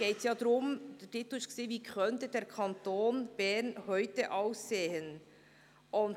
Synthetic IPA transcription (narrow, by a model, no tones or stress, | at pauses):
ɡ̥eɪtsjɑːdɾʊmdətɪt̪lʊɪʃkseːviːkʰœntəd̥ɛːɾkʰɑntoːnb̥ɛɾnhœʏtəʔɑʊsːeːhən | ʔʊnt